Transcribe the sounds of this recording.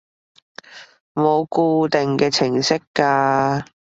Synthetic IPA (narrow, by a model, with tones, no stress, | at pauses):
mo˨˧wkuː˧t̪ɪ˨ŋkɛː˧t͡sʰɪ˨˩ŋsɪ˥kːaː˧